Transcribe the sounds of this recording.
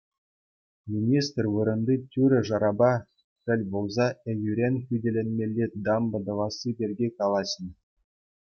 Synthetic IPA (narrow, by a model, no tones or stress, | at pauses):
mʲinʲist̪rvɯɾɤ̆nd̪ɯtʲyɾʲɘ̆ʐɑɾɑbɑ | pʲɘ̆lʲbolˠzɑɘ̆jʲyɾʲenʲkʲydʲelʲenmʲelʲːed̪ɑmbɤ̆d̪ɤ̆vɑsɨbʲerʲɡʲekɑlˠɑɕə̆n